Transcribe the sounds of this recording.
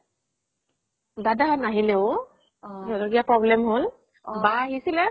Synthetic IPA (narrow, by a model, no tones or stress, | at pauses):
dadanaɦilɛʊ | ɦɛɾɔɡijapɹɔblɛmɦʊl | baɦisilɛ